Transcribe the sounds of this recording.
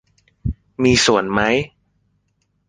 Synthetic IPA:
miː˧su˨˩ənma˦˥j

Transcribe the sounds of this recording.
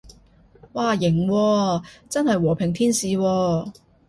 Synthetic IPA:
waː˨˩jɪ˨˩ŋwɔː˧t͡sɐ˥nhɐ˨jwɔː˨˩pʰɪ˨˩ŋt̪ʰiː˥nsiː˨˧wɔː˧

